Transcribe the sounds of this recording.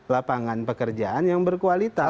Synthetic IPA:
lapaŋanpəkərd͡ʒaanjaŋbərkualit̪a

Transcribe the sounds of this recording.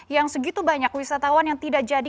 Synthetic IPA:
jaŋsəɡit̪ubaɲakwisat̪awanjaŋt̪idaʔd͡ʒadi

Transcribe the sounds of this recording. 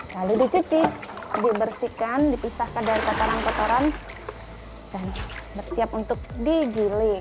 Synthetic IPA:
laludit͡ʃut͡ʃɪdibərsikandipisahkandaɾikot̪oɾankot̪oɾan | d̥anbərsiap̚unt̪ʊk̚diɡilɪ

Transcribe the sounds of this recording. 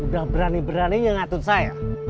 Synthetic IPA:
udahbəɾanibəɾanijaŋat̪ʊt̪̚saja

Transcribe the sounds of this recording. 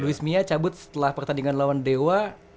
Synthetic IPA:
luismiat͡ʃabʊt̪̚sə̥t̪əlahpərt̪andiŋanlawandewa

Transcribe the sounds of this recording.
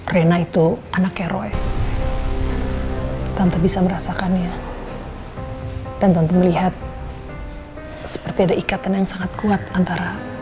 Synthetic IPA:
renait̪uanakeɾo̰e | t̪ant̪abisaməɾasakanja | d̥ant̪ant̪aməliɦat̪̚ | sə̥pərt̪iadaʔikat̪anjaŋsaŋat̪̚kuat̪ant̪aɾa

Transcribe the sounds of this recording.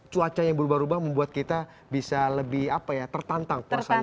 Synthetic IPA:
t͡ʃuat͡ʃajaŋbəɾubahɾubahməmbuat̪̚kit̪a | bisaləbɪhapajat̪ərt̪ant̪aŋkasa

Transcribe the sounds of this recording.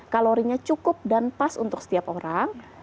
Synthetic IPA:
kaloɾiɲat͡ʃukʊp̚danpasunt̪ʊksə̥t̪iapoɾʔaŋ

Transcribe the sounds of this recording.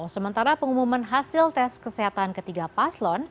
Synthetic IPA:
səmənt̪aɾapəŋumumanɦasɪlt̪ɛskəsɛɦat̪ankət̪iɡapaslɔn

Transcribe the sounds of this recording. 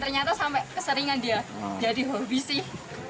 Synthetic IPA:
t̪ərɲat̪asampɛʔkəsəɾiŋandiad͡ʒadiɦobisɪh

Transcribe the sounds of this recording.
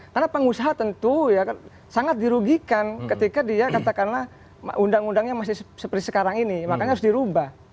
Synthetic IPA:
kərnapəŋusaɦat̪ənt̪ujak | saŋat̪̚diɾuɡikankət̪ikadiakat̪akanlah | m̰ʔundaŋundaŋɲamas̬ɪhssəpərt̪isə̥kaɾaŋinimakaɲaɾʊs̬diɾubah

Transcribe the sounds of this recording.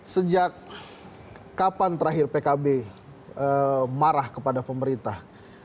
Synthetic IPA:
səd͡ʒak | apant̪əɾaɦɪrpekabe | əmaɾahkəpadapəməɾint̪ah

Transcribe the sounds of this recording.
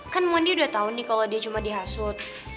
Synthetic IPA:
kanmaniudaht̪aunɪhkalodiat͡ʃumadiɦasʊt̪̚

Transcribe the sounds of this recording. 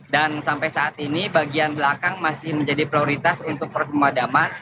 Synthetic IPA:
dansampajsaʔːt̪inibaɡianbəlakaŋmasɪhməɲd͡ʒadipɾioɾit̪asunt̪ʊk̚pərt͡ʃəmadaman

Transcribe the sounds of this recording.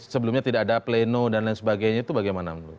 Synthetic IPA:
səbəlumɲat̪idakadaplenodandansəbaɡajɲait̪ubaɡajmanamlu

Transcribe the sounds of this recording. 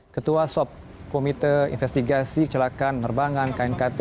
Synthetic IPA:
kət̪uasɔp̚ | komit̪əḭnfɛst̪iɡasikə̥t͡ʃəlakanːərbaŋãnkainkat̪

